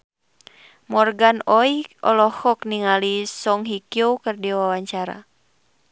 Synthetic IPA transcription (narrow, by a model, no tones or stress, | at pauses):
mɔrɡanɔiɔ̰lɔhɔkniŋalisɔŋɦikjowkɨrdiwawaɲt͡ʃaɾa̰